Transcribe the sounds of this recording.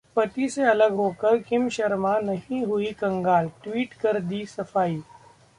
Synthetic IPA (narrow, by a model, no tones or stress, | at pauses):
pɐt̪iseɐləɡɦoːkɐɾkɪmʃɐɾmanɐɦĩɦʊikɐ̃ŋɡaːlʈwiːʈkɐɾd̪isɐfaːiː